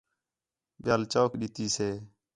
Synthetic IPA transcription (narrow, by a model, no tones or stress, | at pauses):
ɓjaːlt͡ʃoːkɗɪt̪iːseː